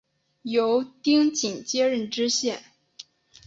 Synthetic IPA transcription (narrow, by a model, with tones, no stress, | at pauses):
jo˧˥ʊt̪i˥ŋt͡ɕi˨˩ŋt͡ɕjɛ˥ɻə˥˩nʈ͡ʂɻ̩˥ɕjɛ˥˩n